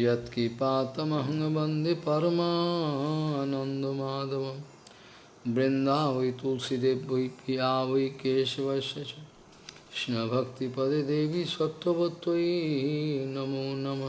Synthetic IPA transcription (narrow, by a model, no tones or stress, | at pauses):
jɐt̪kipaːt̪ɐmɐɦɐŋɐbɐnd̪ʱepɐɾmaɦɐnɐnd̪ɐmaːd̪ɐʋɐm | bɾɪnd̪aːʋɐjt̪ulsid̪eːbɐjpiaːʋɐjkeːʃɐʋɐʃɐt͡ʃɐ | ʃnɐbʱɐkt̪ipɐd̪ed̪eːʋiswɐt̪wɐbɐt̪wɐi | nɐmuːnɐmɐ